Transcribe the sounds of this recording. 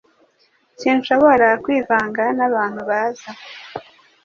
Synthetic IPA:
ciːnʃo̞βoɾakwiːvaːŋɡanaβaːn̥huβaːza

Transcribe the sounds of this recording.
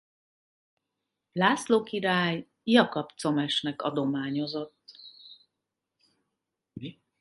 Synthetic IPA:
laːsloːkiɾaːj | jɒkɒpt̪so̞mɛʃnɛkɒ̰d̪o̞maːɲo̞zo̞t̪ː

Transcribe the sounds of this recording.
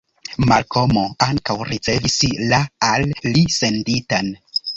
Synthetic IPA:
malkʰo̞mo̞aŋkawɾit͡se̞vislaːlːise̞nditan

